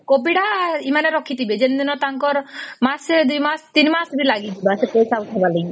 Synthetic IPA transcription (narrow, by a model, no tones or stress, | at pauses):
kobiɽaimaneɾɔkʰit̪ibed͡ʒend̪inɔt̪aŋkɔɾmased̪ujmast̪inimasbilaɡit̪ibasepesawt̪ʰebaleɡi